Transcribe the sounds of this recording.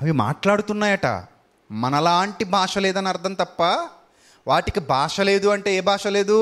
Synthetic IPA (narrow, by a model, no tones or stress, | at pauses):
ɐʋima̰ːʈlaːɽut̪unːaːjɐʈɐ̰ | mɐnɐlaːɳʈibʱaːʂɐlɛːd̪ɐnɐɾd̪ʱɐmt̪ɐpːɐ | ʋaːʈikibʱaːʂɐle̞ːd̪uɐɳʈe̞ːeːbʱaːʂɐle̞ːd̪u